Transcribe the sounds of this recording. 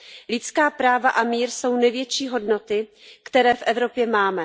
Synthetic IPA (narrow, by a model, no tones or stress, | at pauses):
lɪt͡skaːpɾaːvaʔamiːɾso̞wnɛvjɛt͡ʃiːɦo̞dno̞t̪ɪkt̪ɛɾɛːfʔɛvɾo̞pjɛmaːmɛ